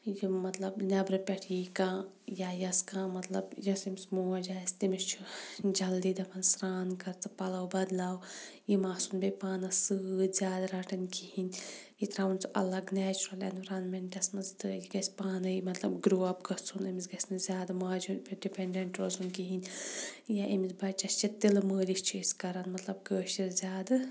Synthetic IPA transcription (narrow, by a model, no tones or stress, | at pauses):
jimɐt̪lɐbnʲɐbɾɨpʲɐʈʰikãː | jaːjɐskãːmɐt̪lɐ̰bjɐsimsmoːd͡ʒaːsʲt̪imist͡ʃʰud͡ʒɐld̪iːd̪ɐpʰɐnsɾaːnkɐɾt͡sɨ̥pɐlɐwbɐd̪laːwjimaːsunbepaːnɐsɨzʲjaːd̪aɾɐʈɐnkihinʲjit̪ɾaːunt͡sʰuʔɐ̰lɐɡnɛːt͡ʃuɾɐlḛnʋɐɾɐnmeɳʈɐsmɐnzt̪əːlʲiɡɐsʲpaːnɐɨjimɐt̪lɐbɡɾuːɐbɡɐt͡sʰunimizɡɐsʲnɨzʲjaːd̪ɐmaːd͡ʒubʲiɖipeɳɖeɳʈɾozunkiɦinʲjaʔimisbɐt͡ʃɐst͡ʃʰit̪ilməːlist͡ʃʰuskɐɾɐnmɐt̪lɐbɡəːʃiɾzʲjaːd̪ɨ